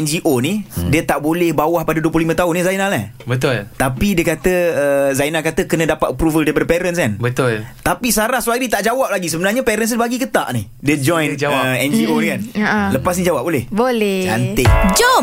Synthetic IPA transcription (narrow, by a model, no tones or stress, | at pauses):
ɛnd͡ʒiʔonidiət̪aʔbolɛhbawahpadaduəpluhlimə̃t̪aʊnːəzajinalahbət̪ʊlt̪apidiəkat̪əəzajnakat̪əkənə̃dapat̪əpɾuvəldiəbərpɛɾənskanbət̪ʊlt̪apisaɾahswaɾit̪aʔd͡ʒawap̚laɡis̬əbənarɲapɛɾəns̬baɡikət̪a̰ʔnih | diəd͡ʒɔ̃jnəɛnd͡ʒionkanləpas̬nid͡ʒawap̚bolɛhbolɛd͡ʒant̪ɪʔd͡ʒɔ